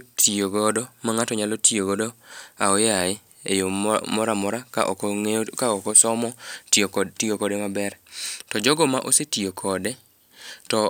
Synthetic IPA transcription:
tʰioɡodomaŋatɔɲalotioɡodoaɔjaɪ | ejomɔɾamɔɾaka̰ʔɔ̰kɔŋekaɔkɔsɔmɔ | tiokɔdemabɛrtɔd͡ʒɔɡɔmaʔosetijokʰɔde | tɔ

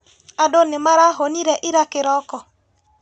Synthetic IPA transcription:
adonɪmaɾaɦoniɾɛʔɪɾakɪɾɔkɔ

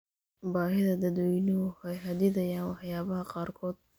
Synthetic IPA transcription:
baːɦɪðɐd̪ɐd̪wɛjnɔʊɛjɦɐd̪ɪðɐjaːnwɑħjaːβɐɦɐqɑːrkʰɔːd̪̥̚

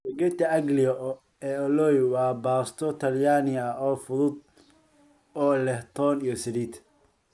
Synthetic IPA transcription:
bɐɡɛt̪ʰɐɐɡlɪjɔ | ɛːɔlɔjwɑːbaːst̪ʰɔt̪ʰɐljaːnɪjɐʔɔːfʊðʊd̪̚ | ɔːlɛht̪ʰɔːnijɔsɪɾiːt̪ʰ

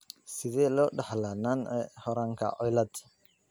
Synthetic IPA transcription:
sɪðɛːlɔːɖɑħlaːnanɛhɔɾaːŋkʰɐ̰ʕɔjlɐd̪

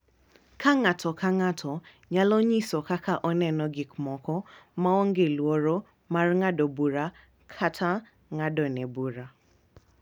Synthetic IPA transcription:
kʰaŋatʰɔkʰaŋatʰɔ | ɲalɔɲisɔkakʰaʔɔnɛnɔɡɪkmɔkɔmaɔŋ̩ɡelwoɾo | maɾŋadɔbuɾa | kʰatʰa | ŋadɔnɛbuɾa

